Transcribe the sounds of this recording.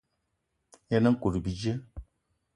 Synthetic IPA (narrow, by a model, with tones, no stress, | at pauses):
ja˦na˦ŋ˦ku˨ɾi˨bi˨d͡ʒə˦